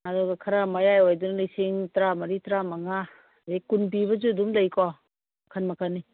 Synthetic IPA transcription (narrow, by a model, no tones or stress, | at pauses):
adɔɡɐkʰɐɾamajajojdunlisiŋtɾamɐɾitɾamaŋa | ikunbibɐzudumlajkʰɔ | ɐkʰanmɐkʰani